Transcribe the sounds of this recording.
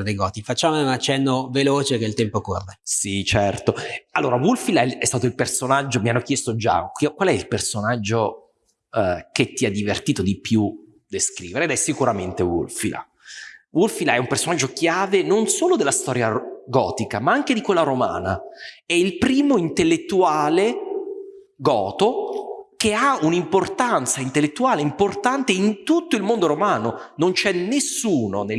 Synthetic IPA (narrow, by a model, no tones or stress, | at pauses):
d̪ejɡɔːt̪ifat͡ʃːaːmounat͡ʃːɛnːoveloːt͡ʃek̟eilt̪ɛmpoko̰rːesit͡ʃɛrt̪oalːoːɾavulfilaɛɛst̪aːt̪oilpersonad͡ʒːomianːokjɛst̪od͡ʒa̰kkːwalɛilpersonad͡ʒːo | ket̪ːiad̪ːivert̪iːt̪od̪ipju | d̪eskɾiːveɾed̪ɛsːikuɾament̪ewṵlfila̰ | wulfilaɛumpersonad͡ʒːokjaːvenonsoːlod̪elːast̪ɔːɾjaɡɔ̰ːt̪ikamaaŋk̟ed̪ikwelːaɾoma̰ːna̰ɛilpɾiːmoint̪elːet̪ːuaːle | ɡɔːt̪okeaunimport̪ant̪saint̪elːet̪ːuaːleimport̪ant̪eint̪ut̪ːoilmond̪oɾomaːnonont͡ʃɛnesːuːnone